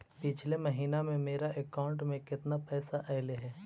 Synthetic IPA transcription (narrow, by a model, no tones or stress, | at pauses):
pɪt͡ʃʰlemɐɦiːnamẽmeːɾaʔɛkaːʊ̃ɳʈmẽkɪt̪napɛːsaʔɛːleɦɛː